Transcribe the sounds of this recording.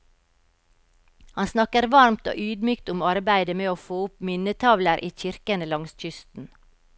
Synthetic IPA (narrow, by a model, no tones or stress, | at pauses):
hɑnsnɑkəɾʋɑɾmt̪o̰ːʔyːd̪myːkt̪ʊmɑɾbæɪd̪əmeːoːfoːʊpmɪnət̪ʰɑʋləɾʔiːc͡çɪɾkənəlɑŋsc͡çʏst̪n̩